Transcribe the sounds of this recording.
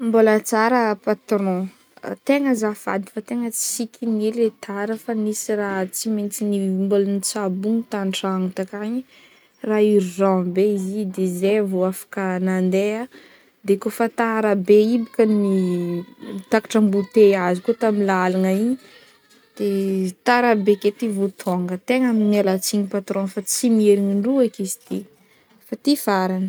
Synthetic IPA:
mbolət͡saɾəpat̪ɾɔ̰̃ | t̪eŋəzafa̰d̪i̥fat̪eŋət͡si̥sikʲʰiniɾet̪ʰaɾəfanisirat͡siment͡sinimbolanit͡sabuŋit̪anʈ͡ʂaŋut̪akaɲi | raiɾirãbeizid̪ezevoafḁkənand̪ea | d̪ekofat̪aɾabeibikani | t̪akḁʈ͡ʂambut̪eazikut̪amilalaŋaiɲ | d̪̥et̪aɾabeket̪ivut̪ʰoŋɡət̪eŋaminelat͡siɲipat̪ɾõnfat͡simeɾiŋiɳɖ͡ʐuakizi̥t̪i | fat̪ifaɾanə

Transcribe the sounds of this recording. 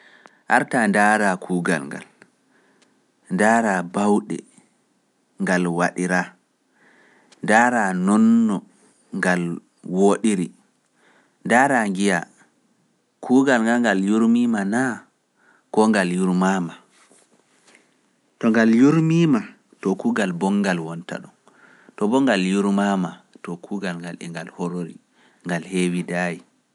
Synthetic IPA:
ʔaɾtandaːɾakʰuːɡa̰lŋɡa̰l | ndaːɾabawɗɛ̰ | ŋɡalwaɗiɾa | ndaːɾanɔnːɔ | ŋɡal | woɗiɾi | ndaːɾaŋɡija | kʰuːɡalŋɡalŋɡaljuɾmimana | kɔŋɡaljuɾmama | tɔŋɡaljuɾmima | tɔkuːɡalbɔŋɡalwɔnta̰ɗun | tɔbɔŋɡaljuɾmamatɔkʰuːɡalŋɡalɛ̰ŋɡalhɔɾoɾḭ | ŋɡalhewidaji

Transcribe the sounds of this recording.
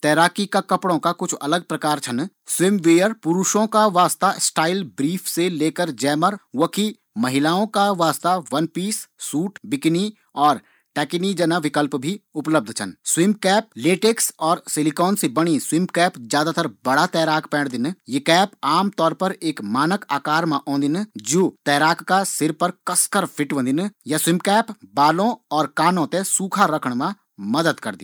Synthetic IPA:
t̪ɛːɾaːkikakɐpɽõkakʊt͡ʃʰɐləɡ̚pɾɐkaːɾt͡ʃʰɐn | swɪmʋeːjəɾpʊɾuʃõkaʋaːst̪asʈaːɪlbɾiːfʰseleːkəɾd͡ʒɛːməɾwɐkʰi | mɐɦɪlaːõkaʋaːst̪aʋɐnpiːssːuːʈbɪkni | ɔːɾ | ʈɛːknid͡ʒɐnaʋɪkəlpbʱiʊpləb̚d̪ʱt͡ʃʰɐ̰nswɪmkɛːp̚leːʈeːksɔːɾsɪlɪkɔːnsebɐɽ̃iswɪmkɛːpd͡ʒjaːd̪at̪əɾbɐɽat̪ɛːɾaːkʰpɛ̃ːɽd̪ɪnjekɛːpaːmt̪ɔːɾpɐɾeːkmaːnəkaːkaːɾmãʔõːnd̪ɪnd͡ʒoːt̪ɛːɾaːkkasɪɾpəɾkɐskəɾpʰɪʈʋə̃ːnd̪ɪnjaswɪmbkɛːpbaːlõɔːɾkaːnõt̪esuːkʰaɾɐkʰəɽ̃mã | mɐd̪əd̪kɐɾd̪ḭ̃

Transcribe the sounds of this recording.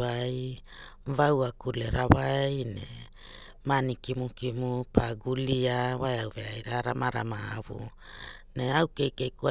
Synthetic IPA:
aj | vawakuleɾawajnḛ | manikimukimupʰaɡuliawaeawveajɾaɾamaɾamaaβṵ | neawkejkejkua

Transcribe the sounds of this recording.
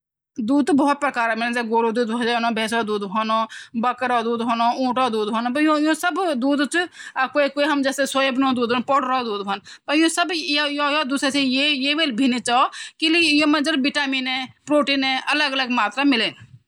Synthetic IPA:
d̪uːd̪̚bɔːt̪̚pɾəkaːɾamɪleːnd͡ʒeɡoːɾoːd̪uːd̪bod͡ʒaːnõbʱeːsod̪uːd̪ɦoːnoːbɐkɾaːd̪uːd̪ɦoːnoːũːʈaːd̪uːd̪ɦoːnopɐõjõːsɐbd̪uːd̪t͡ʃːkoːikoːiɦɐmd͡ʒɛːsesojebnõːd̪uːd̪onpoɽɾod̪uːd̪ʋonpɐjõːsəbjjojaːd̪uːsesejejeːʋeːlbʱinit͡ʃaːokilijõːmɐ̃nd͡ʒəɾbɪʈaːmiːnɛ̃ːpɾoːʈinɛ̃ːʔɐləɡələɡmaːt̪ɾamɪleːn

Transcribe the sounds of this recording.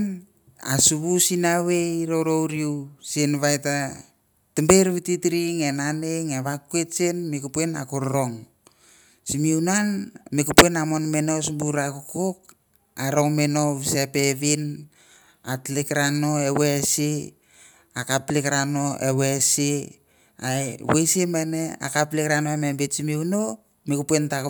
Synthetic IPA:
n | a̰suβusinawejɾoɾowɾiwsenβajta | timbeɾβititɾiŋenaneŋeβakuetsenmikupuena̰kuɾɾo̞ŋ | simiunanmekupuenamonmenosubuɾakukok̚ | aɾo̞ŋmeno̞βisepeβin | atlikɾano̞ewesi | akaplikɾano̞ḛwesi | aewejsemenea̰kaplikɾanoemembetsimiuno | mikupuentak

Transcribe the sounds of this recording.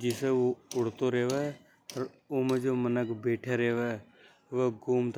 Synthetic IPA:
d͡ʒɪseʋoʊɽ̤t̪oɾeːʋɛː | əɾ | ʊːmẽd͡ʒoːmənəkʰbeːʈʰeɾeːʋɛ | ʋəɡuːmt̪ʰ

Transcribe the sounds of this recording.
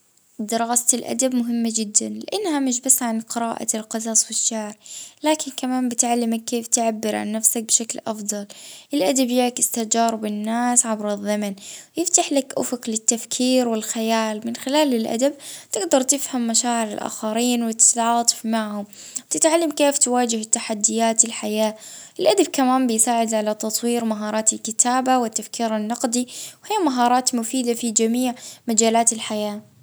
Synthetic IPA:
d̪ɪɾˤɑːslʔa̰d̪abmʊɦɪmːad͡ʒɪd̪ːanlɪʔanːhamɪʃ̬basːʕanqɨɾɑːʔa̰lqɑzaːswɪʃːaʕɾlaːkɪnkamaːmbɪt̪ʕalːɪmakːeːft̪ɪʕabːɪɾʕa̰nːafsak̚bɪʃaklʔɑfd̪ˤɑlʔɪlʔad̪abjɪʕkɪst̪ad͡ʒɑːɾˤɪbɪnːaːsʕabɾɨðːamanjɪft̪aħlakʔʊfʊklɪt̪ːafkʰiːɾwɪlxajaːlmɪnxɪlaːlɪlʔa̰d̪ab̚t̪ɪɡd̪ɑɾˤt̪ɪfhamːaʃaːʕɪɾɪ̰lʔa̰ːxɑɾiːnwɪt̪ɪ̥t̪ʕɑːt̪ˤɨ̥fmaʕhʊm | wt̪ɪt̪ʕalːamkeːft̪waːd͡ʒɪhɪt̪ːaħad̪ːɪjaːt̪ɪlħajaːʔɪlʔad̪ab̚kamaːmbɪjsaːʕɪd̪ʕalat̪ɑt̪ˤwiːɾmaɦɑːɾˤɑːt̪ɪlkɪt̪ʰaːbawɪt̪ːafkʰiːɾɪnːɑqd̪iwhiːmaɦɑːɾˤɑːt̪mʊfiːd̪afid͡ʒamiːʕmad͡ʒaːlaːt̪ɪlħajaː

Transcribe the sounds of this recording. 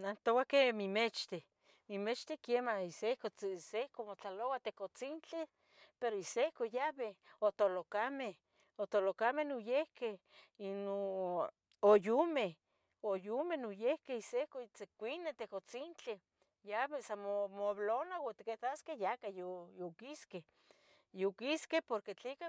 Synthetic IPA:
nant̪owakemimet͡ʃt̪e | mimet͡ʃt̪ekemaisekosehkomot͡ɬalowat̪ekot͡sint͡ɬe | peɾoisehkojaβeot̪olokameh | ot̪olokamenojehke | ino | ojume | ojumenujehkeisehkot͡sekʷinet̪ekot͡sint͡ɬi | jaβesamomoβlonawat̪iket̪askejakajojokiske | jokiskepoɾket͡ɬika

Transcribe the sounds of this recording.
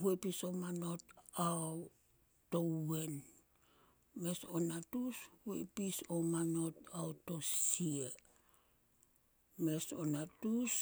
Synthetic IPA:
huepisomano̞t̚aw | towen | me̞sonatushḛpisomano̞t̚awtosie | me̞so̰natus

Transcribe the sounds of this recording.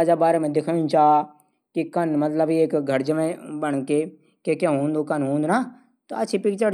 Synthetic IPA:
d͡ʒabaːɾemẽd̪ɪkʰajũt͡ʃaː | kikɐnmɐt̪ləbieːkɡʱɐɾd͡ʒəmẽbɐɽ̃ke | kekjãɦõːnd̪okɐnɦõːnd̪naː | t̪oɐtːt͡ʃʰipɪkt͡ʃəɾ

